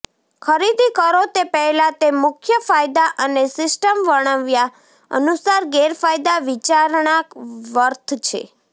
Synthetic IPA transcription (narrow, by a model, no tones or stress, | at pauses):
kʰəɾid̪ikəɾot̪epɛɦlat̪emʊkʰjəfajd̪aʔənesɪsʈəmʋəɽ̃əʋja | ə̰nusaɾɡeɾfajd̪aʋit͡ʃaɾɳakʋəɾt̪ʰt͡ʃʰḛ